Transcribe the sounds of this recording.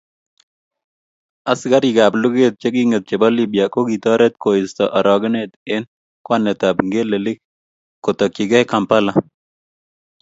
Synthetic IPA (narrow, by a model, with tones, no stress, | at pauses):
a˨sɡa˦ɾɪɡa˨plʊ˦ɡet̪̚t͡ʃe˦ɡi˦ŋet̪̚t͡ʃe˨bɔ˦libjako˦ɡit̪ɔ˦ɾɛ˦t̪ko˨ɪ˨st̪ɔʔa˨ɾɔ˨ɡɪ˦net̪ɪ˦n | kwanːɛ˨t̪a˨pŋɡe˦lelɪ˦k | kot̪ɔ˨ki˨ɡɛ˦ka˨mpa˦la